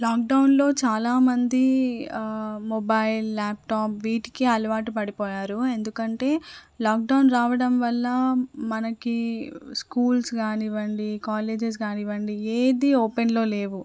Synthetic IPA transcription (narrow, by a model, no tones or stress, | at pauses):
laːk̚ɖɐwnlo̞ːt͡ʃaːlaːmɐnd̪i | mobɐjlːaːp̚ʈaːpʋiːʈi̥kiɐlɐʋaːʈipɐɽipɔːjaːɾue̞nd̪ukɐɳʈe̞ːlaːk̚ɖɐwnɾaːʋɐɽɐmʋɐlːɐmɐnɐkiskuːlsɡaːniʋɐɳɖikaːle̞ːd͡ʒes̬ɡaːniʋɐɳɖieːd̪ioːpenlo̞ːle̞ːʋu